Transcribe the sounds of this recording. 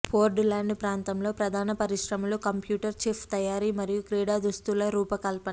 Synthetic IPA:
pʰoːɾɖlaːɳɖpɾaːnt̪ɐmlo̞ːpɾɐd̪ʱaːnɐpɐɾiʂɾɐmɐlukɐmpjuːʈɐɾt͡ʃiːpʰt̪ɐjaːɾiːmɐɾijukɾiːɽaːd̪ɾust̪ulɐɾuːpɐkɐlpɐnɐ

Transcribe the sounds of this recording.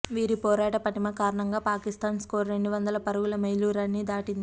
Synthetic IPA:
ʋiːɾipɔːɾaːʈɐpɐʈimɐkaːɾɐɳɐŋɡaːpaːkist̪aːnskoːɾɾe̞ɳɖuʋɐnd̪ɐlɐpɐɾuɡulɐmɐjluːɾanːid̪aːʈind̪i

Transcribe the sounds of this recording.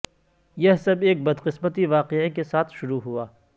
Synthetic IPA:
jɐɦsɐbeːk̚bɐd̪qɪsmət̪iʋaːqeikesaːt̪ʰʃʊɾuɦuaː

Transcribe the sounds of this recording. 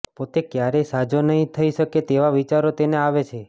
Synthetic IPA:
pot̪ekjaɾesad͡ʒonəɦĩt̪ʰəiʃəket̪eʋaʋit͡ʃaɾot̪eneaʋet͡ʃʰe

